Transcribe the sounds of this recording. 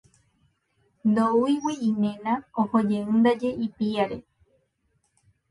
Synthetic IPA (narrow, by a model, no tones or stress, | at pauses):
nd̪ouiwiimẽnãohod͡ʒe̞ɨ̃nd̪ad͡ʒe̞ipiaɾe̞̰